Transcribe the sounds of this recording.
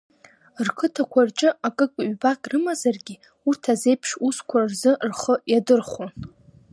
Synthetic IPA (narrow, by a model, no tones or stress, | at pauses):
rkʰɨtʰakʷʰart͡ʃʼɪakʼɨkʼɥbakʼrɨmazarɡʲi | urtʰaze̞jpʰʂuskʷʰarzɨrχəjadɨrχon